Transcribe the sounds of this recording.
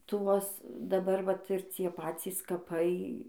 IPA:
ˈtuɔs dɐˈbɐr ˈʋɐt ɪr ˈt͡sʲiɛ ˈpɑːt͡sʲiːs kɐˈpɐɪ

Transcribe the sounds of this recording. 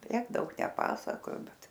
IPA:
ˈtʲiɛk ˈdɐʊk nʲɛˈpɑːsɐkoːjoː ˈbʲɛt

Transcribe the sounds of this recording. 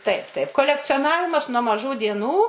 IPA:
ˈtɐɪp ˈtɐɪp koːlʲɛkt͡sʲoːˈnɑːʋʲɪmɐs nuɔ mɐˈʒuː dʲiɛˈnuː

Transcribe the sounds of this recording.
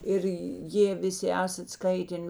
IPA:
ˈɪr ˈjeː ˈʋʲɪˈsʲɪ ˈæːsɐt ˈskɐɪtʲɛn

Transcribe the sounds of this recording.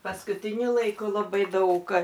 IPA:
pɐskʊtʲɪˈnʲʊ lˠɐɪˈkʊ lˠɐˈbɐɪ ˈdɐʊk

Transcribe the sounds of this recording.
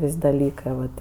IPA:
ˈʋʲɪsʲ dɐˈlʲiːkɜ ʋɐt

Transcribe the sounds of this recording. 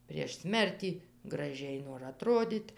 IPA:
pʲrʲiɛʃ ˈsʲmʲɛrʲtʲiː ɡrɐˈʒʲɛɪ noːr ɐˈtroːdʲiːtʲ

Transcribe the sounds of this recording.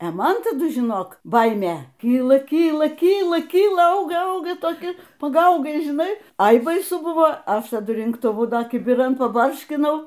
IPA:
ɛ ˈmɐn tɐˈdʊ ʒʲɪˈnoːk ˈbɐɪmʲeː ˈkʲiːlˠɐ ˈkʲiːlˠɐ ˈkʲiːlˠɐ ˈkʲiːlˠɐ ˈɐʊɡɐ ˈɐʊɡɐ toːˈkʲɪ pɐˈɡɐʊɡɐɪ ʒʲɪˈnɐɪ ˈɐɪ bɐɪˈsʊ ˈbʊʋoː ˈɐʃ tɐˈdʊ rʲɪŋktʊˈʋʊ ˈdɐr kʲɪbʲɪˈrɐn pɐˈbɐrʲʃʲkʲɪnɐʊ

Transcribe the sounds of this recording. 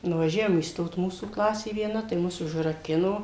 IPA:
nʊʋɐˈʒʲæːʋoːm iːsˈtoːt ˈmuːsuː ˈklˠɑːsʲeː ʋʲiɛˈnɐ tɐɪ ˈmʊs ʊʒrɐˈkʲɪnoː

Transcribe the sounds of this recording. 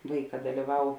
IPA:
ˈʋɐɪˌkɑː dɐlʲiːˈʋɐʊ

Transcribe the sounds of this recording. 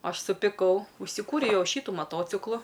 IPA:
ˈɐʃ sʊpʲɪˈkɐʊ ʊʃʲsʲɪˈkuːrʲɛʊ ˈjɛʊ ˈʃʲiːtʊ mɐˈtoːt͡sʲɪklˠʊ

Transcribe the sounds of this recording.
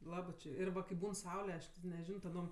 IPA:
ˈlˠɑːbɜ t͡ʃʲɪ ɪr ˈʋɐ kɐɪ ˈbuːn ˈsɐʊlʲɛ ˈɐʃ tʲɪ nʲɛˈʒʲɪnoː tɐˈdoːm

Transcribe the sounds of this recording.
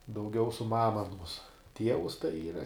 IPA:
dɐʊˈɡʲɛʊ sʊ ˈmɑːmɐ ɐˈnoːs ˈtʲiɛʋʊs tɐɪ ˈiːrɐ

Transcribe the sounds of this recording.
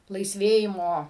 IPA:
lˠɐɪsʲˈʋʲeːjɪmoː

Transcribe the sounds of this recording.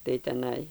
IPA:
tɐɪ tʲɛˈnɐɪ

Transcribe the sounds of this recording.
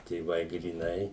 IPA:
tʲeːˈʋɐɪ ɡrʲiːˈnɐɪ

